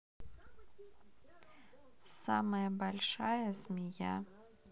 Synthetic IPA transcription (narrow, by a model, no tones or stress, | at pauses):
sa̰mɐjɐbalʲʂajɐzmʲija̰